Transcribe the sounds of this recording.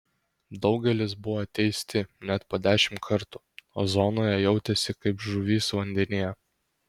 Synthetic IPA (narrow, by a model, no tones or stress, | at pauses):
d̪ɒʊɡʲɛlʲɪsbʊʋot̪ʲɛɪsʲt̪ʲɪnʲɛt̪poːd̪ʲæːʃʲɪmt̪kʰɐɾt̪uːoːzoːnoːjɛjɛʊt̪ʲɛsʲɪkɐɪpʒʊʋʲiːsʋɐnʲd̪ʲɛnʲijɛ